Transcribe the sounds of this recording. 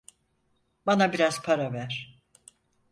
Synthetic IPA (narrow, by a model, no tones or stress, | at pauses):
banabiɾaz̥pʰaɾavæɾ̥